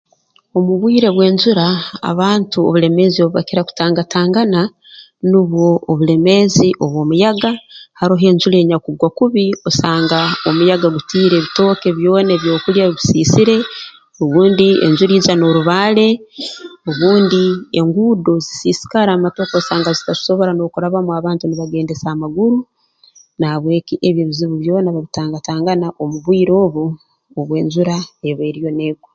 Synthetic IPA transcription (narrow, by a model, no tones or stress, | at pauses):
o̞muβwiːɾe̞βwe̞ːɲzuɾaa̰βaːntuo̰βule̞me̞zio̞βuβa̰kiɾaku̥taːŋɡataːŋɡana | nuβwo̞ːβule̞me̞ziʔo̞βwo̞ːmujaɡahaɾoɦe̞ːɲd͡ʒuɾe̞ːɲakuɡwakuβiosaːŋɡaomujaɡaɡutiːɾe̞βito̞ːke̞βjo̞ːneβjo̞ːkuljaɡusiːsiɾe̞ | oβuːndiḛnzuɾiːzano̞ɾuβaːle̞ | o̞βuːndieŋɡuːdo̞zisiːsi̥kaɾaːmato̞kosaːŋɡazitazi̥so̞βo̞ɾano̞kuɾaβamuaβaːntuniβaɡe̞ːndesaːmaɡuɾu | naaβwe̞ːkiʔeβje̞ːβiziβuβjo̞ːnaβaβitaːŋɡataːŋɡanaʔo̞muβwiːɾo̞ːβuː | βwe̞ːɲzuɾae̞βwe̞ːɾijo̞neɡo